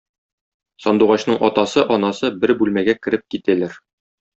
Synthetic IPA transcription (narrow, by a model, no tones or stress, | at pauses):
sɒnd̪uʁɑɕnɤɴʔɒt̪ɑsɤʔɒnɑsɤbɘɾbʉlmæɡækɘ̆ɾɘp̚kit̪ælæɾ